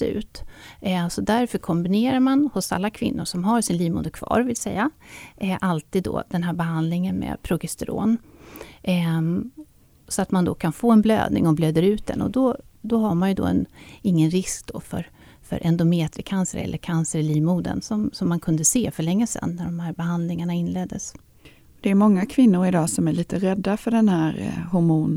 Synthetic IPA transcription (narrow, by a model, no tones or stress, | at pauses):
sʉ̟̰ːt̪ | sɔd̪æɾfœɾkʰɔmbɪneːɾaɾmanhʊsa̰lːakʰvɪ̰nːʊʂɔmɦaɾʂɪnliːmṵːd̪əkʰvɑ̰ːɾvɪlsɛjːa | ʔalt̪iːd̪ːɔ̰d̪̥ɛnɦæːɾbɛɦand̪lɪŋənmɛ̰pʰɾʊɡɪst̪ɛɾo̰ːn | sɔat̪mand̪ɔkʰanfoːɛnblø̰ːd̪nɪ̰ŋɔbløːd̪əɾʉ̟ːt̪̚d̪ɛ̰nɔ̰d̪ɔd̪ɔɦaɾmanjɵd̪ɔ̰ːɛ̰nɪŋːənɾɪsk̚d̪̥ofœ̰ɾ | fœ̰ɾʔɛnd̪ʊmeːt̪ɾɪkʰansəɾɛ̰lːəɾkʰansəɾɪliːmuːd̪ə̰nsɔmsɔmːankʰɵnd̪əseːfœɭɛŋːəsɛ̰nːæɖɔmhæːɾbɛɦand̪lɪŋaɳaɪnːleːd̪ːəs | d̪ɛːɾmɔŋːakʰvɪnːʊɾɪd̪ɑːsɔmæɭiːt̪əɾɛd̪ːafœɖɛnhæːɾhʊɾmuːn